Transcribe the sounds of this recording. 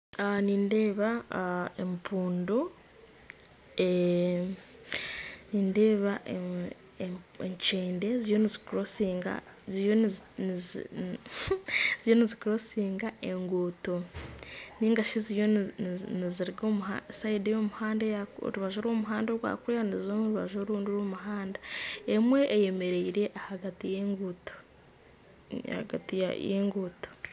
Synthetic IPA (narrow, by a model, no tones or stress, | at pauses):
aniːnde̞ːβaempʰuːndo | e | niːnde̞ːβa | eɲt͡ʃeːnde̞zijo̞nizikuɾosiːŋɡa̰ | zijo | zijo̞nizikuɾo̞siːŋɡae̞ŋɡoːto̞ | niːŋɡaʃizijoniziɾiɡomua̰saidejo̞ːmuhaːndajao̰ɾuβaʒoːɾwoːmuɦaːndoɾwa̰ːkuɾejanizzoːmuɾuβaʒoɾuːndiɾwoːmuɦaːndaemwe̞ʔeje̞me̞ɾe̞iɾe̞ʔahaɡatijeŋɡuto̥ | ha̰ɡa̰tija̰jeŋɡuːto̥